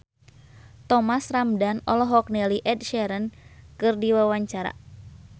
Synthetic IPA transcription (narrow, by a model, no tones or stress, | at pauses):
t̪ɔmasramdanɔ̰lɔɦɔk̚nɛliʔɛdʃɛɾənkɨrdiwawaɲt͡ʃaɾa̰